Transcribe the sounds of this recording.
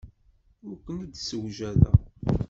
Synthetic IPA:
ʊɾkənəd̪səwʒæðæ̰

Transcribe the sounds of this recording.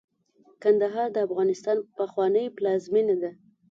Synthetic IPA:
kand̪aɦɑɾd̪əafɣɑnɪst̪ɑnpəxwɑnəjplɑzminad̪a

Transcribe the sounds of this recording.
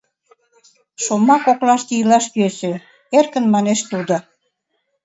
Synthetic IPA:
ʃomɑkoklɑʃt̪iəlɑʃkyese | erkə̆nmɑneʃt̪ud̪o

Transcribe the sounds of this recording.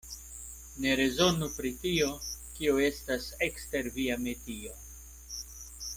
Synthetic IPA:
ne̞ɾe̞zo̞nupɾitio̞kioe̞stase̞kste̞ɾviametio̞

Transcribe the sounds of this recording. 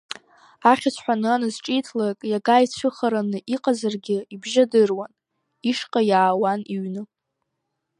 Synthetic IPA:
aχʲat͡ɕʷʰħʷᶣanɨanɨzʈ͡ʂʼitʰlakʼjaɡajt͡ɕʷʰɨχaɾanɨʔiqʼazarɡʲɪibʒadɨrwan | iʂqʼajaːwaniɥnɨ

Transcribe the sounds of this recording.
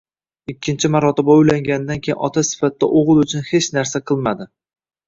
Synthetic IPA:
ɪkʲʰːɪnt͡ʃʰɪmaɾɒt̪ɪbaʊjlaŋɡʲanɪd̪ankʲʰejɪnɒt̪ʰasɪ̥fat̪ːa̰ʔoʁɨlˠʊt͡ʃʰʊnhe̞t͡ʃnaɾsaqʰɨlˠmad̪ɪ

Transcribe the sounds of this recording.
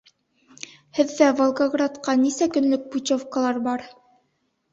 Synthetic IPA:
hɘ̆ðːævolˠɡoɡrat̪qɑnisækɵ̆nlɵk̚put͡ɕofkalˠɑɾbɑɾ

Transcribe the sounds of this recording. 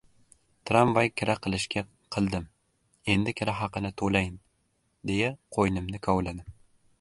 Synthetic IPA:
t̪ʰɾampvajkʲʰɪɾaqʰɨlˠɪʃkʲʰa | qʰɨlˠd̪ɪm | e̞nd̪ɪkʲʰɪɾaɦɑqɨnɪt̪ʰolajɪn | d̪e̞jaqʰojnɪmnɪkʰawlad̪ɪm

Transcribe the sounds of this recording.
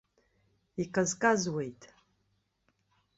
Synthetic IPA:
ikʰʼazkʼazwejtʼ

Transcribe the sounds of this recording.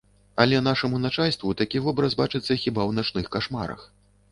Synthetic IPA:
ɐlʲɛn̪aʂɐmunat͡ʂalʲst̪vut̪akʲivɔbɾɐsbat͡ʂɨt̪sːɐxʲibawnat͡ʂnɨxkaʂma̰ɾɐ̰x

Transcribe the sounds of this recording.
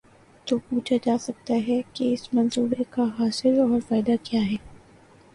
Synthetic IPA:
t̪oːpuːt͡ʃʰad͡ʒaːsɐk̚t̪aɦɛkeɪsmɐ̃nsuːbekaɦaːsɪɾɔːɾfaːɪd̪akjaːɦɛː

